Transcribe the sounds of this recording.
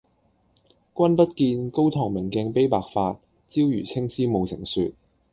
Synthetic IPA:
kʷɐ˥npɐ˥t̚kiː˧nko˥wt̪ʰɔː˨˩ŋmɪ˨˩ŋkɛː˧ŋpe˥jpaː˨k̚faː˧t̚ | t͡siː˥wjyː˨˩t͡sʰɪ˥ŋsiː˥mo˨˧wsɪ̰˨˩ŋsy̰ː˨˧t̚

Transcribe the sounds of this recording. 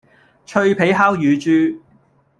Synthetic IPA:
t͡ʃʰɵ˧ɥpʰe˨˥jɦaː˥wjyː˨˧t͡ʃyː˧

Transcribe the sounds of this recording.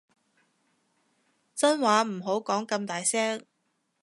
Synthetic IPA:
t͡sɐ˥nwaː˨˥m̩˨˩ɦo˨˥wkɔː˨˥ŋkɐ˧mt̪aː˨jsɛː˥ŋ

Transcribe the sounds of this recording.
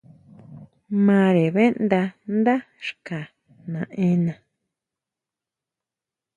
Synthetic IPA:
mã˧˦ɾe˨βe˦nd̪a˧nd̪a˦ | ʃka˨ | nã˨ʔẽ˧˦nã˨

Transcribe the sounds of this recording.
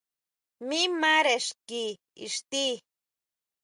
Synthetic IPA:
mĩ˦mã˦ɾe˨ʂki˧ | ḭ˨ʂt̪i˦

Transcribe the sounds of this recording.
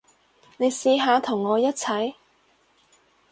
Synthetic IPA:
ne˨˧jsiː˧ɦaː˨˧t̪ʰʊ˨˩ŋːɔː˨˧jɐ˥t̚t͡sʰɐ˨˥j

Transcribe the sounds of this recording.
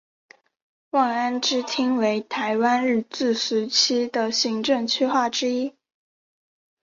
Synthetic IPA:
wɑ˥˩ŋa˥nʈ͡ʂɻ̩˥t̪ʰi˥ŋwe˧˥ɪt̪ʰa˧˥ɪwa˥nɻ̩˥˧t͡sɹ̩˥˩ʂɻ̩˧˥t͡ɕʰi˥d̪ə˨ɕi˧˥ŋʈ͡ʂɤ˥˩ŋt͡ɕʰy˥xwa˥˩ʈ͡ʂɻ̩˥i˥

